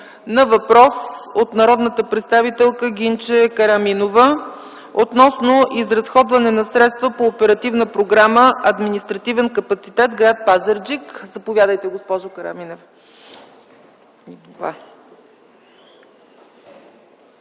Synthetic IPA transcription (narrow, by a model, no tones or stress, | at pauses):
nɐvɐpɾɔsot̪nɐɾɔd̪nət̪əpɾɛt̪st̪avit̪ɛlˠkəɡʲint͡ʃɛkəɾɐminovə | ot̪nɔsnoʔizɾɐsxɔd̪vɐnɛnɐsɾɛt̪st̪vəpoːpɛɾɐt̪ivnəpɾoɡɾaməɐd̪minist̪ɾɐt̪ivɛnkəpɐt̪sit̪ɛt̪ɡɾat̪̚pazəɾd͡ʒikzɐpovʲjad̪əjt̪ɛɡospɔʒokəɾɐ̰minof | va̰